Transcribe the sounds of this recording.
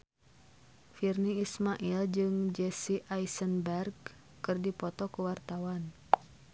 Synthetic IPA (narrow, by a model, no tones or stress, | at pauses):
firniːsmaʔild͡ʒɨŋd͡ʒɛsiaijsənbɛrɡ | kɨrdipɔt̪ɔkuwart̪awan